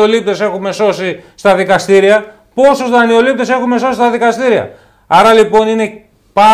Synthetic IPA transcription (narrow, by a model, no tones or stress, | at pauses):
olip̚t̪e̞se̞xume̞so̞sist̪ɐðikɐst̪iɾiɐ | po̞susðɐnio̞lip̚t̪e̞se̞xume̞so̞sist̪ɐðikɐst̪iɾiɐ̰ | ɐɾɐlipo̞nine̞ | pɐ